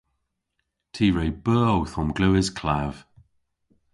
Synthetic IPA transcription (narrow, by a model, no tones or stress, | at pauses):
tʰiːɹejbəːowθɔmɡluːɪzkʰlav̥